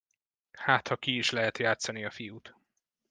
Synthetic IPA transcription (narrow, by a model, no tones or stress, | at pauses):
haːt̪hɒkiːʃlɛɦɛt̪jaːt̪sɒniɒfijut̪